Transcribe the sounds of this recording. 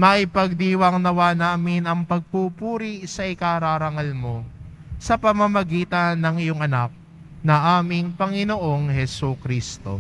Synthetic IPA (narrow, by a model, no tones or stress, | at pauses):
mɐɪpɐɡ̚d̪iːwɐŋnɐwaːnaːmɪnɐŋpɐɡ̚pupuːɾisɐʔɪkaɾaɾɐŋɐlmo̞ | sɐpɐmɐmɐɡiːt̪ɐnːɐŋɪjoŋɐnak̚ | nɐŋʔaːmɪŋpɐŋɪnoʔo̞ŋhɛsukɾiːst̪o̞̰